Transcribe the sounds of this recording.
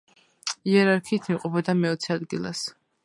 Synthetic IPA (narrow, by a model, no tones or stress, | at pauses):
iɛɾaɾkʰiːt̪ʰimqʼɔpʰɔd̪amɛɔt̪sʰɛad̪ɡilˠa̰s